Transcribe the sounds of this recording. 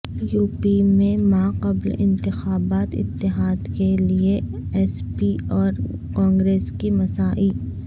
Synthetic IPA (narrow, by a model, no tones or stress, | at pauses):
juːpimẽmaːqɐblɪ̰̃nt̪ɪxaːbaːt̪ɪ̰t̪ːɪɦaːd̪kelie | ɛːspiɔːɾ | kɔ̃ːŋɡɾeːskimɐsaːʔi